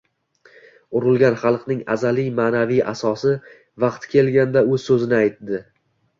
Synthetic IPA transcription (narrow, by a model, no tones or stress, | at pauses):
ʊɾɪlˠɡʲanχɑlˠqnɪŋa̰zalijmanavija̰sɒsɪ | vɑqt̪ʰkʲe̞lɡʲand̪aɵzsɵzɪnɪajt̪d̪ɪ